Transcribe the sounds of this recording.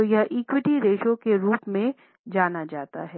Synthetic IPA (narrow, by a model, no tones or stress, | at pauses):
ojɐɦʔiːkwɪʈiɾeːʃõkeɾuːpmẽ | d͡ʒaːnad͡ʒaːt̪a̰ɦɛː